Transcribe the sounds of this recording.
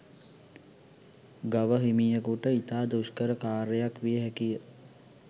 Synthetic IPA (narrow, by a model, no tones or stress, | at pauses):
ɡaʋəɦimijəkuʈəit̪aːd̪uʃkəɾəkaːɾejakʋijəɦækijə